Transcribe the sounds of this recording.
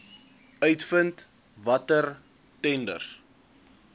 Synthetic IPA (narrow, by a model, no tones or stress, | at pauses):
œɥtfənt | vɐtər | tɛndə̰r